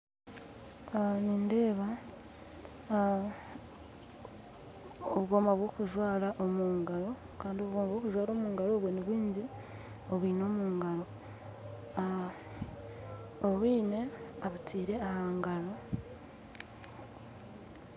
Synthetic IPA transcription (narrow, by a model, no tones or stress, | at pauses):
ninde̞ːβa | oβuɡo̞maβwo̞ːkuʒwaːɾaʔo̞muːŋɡaɾo̞ | kaːndioβuɡomaβwokuʒwaːɾo̞ːmuːŋɡaɾo̞ːβweniβwiːɲɟi | oβwiːno̞ːmuːŋɡaɾo̞ | oβwiːne̞aβutʰiːɾe̞ahaːŋɡaɾo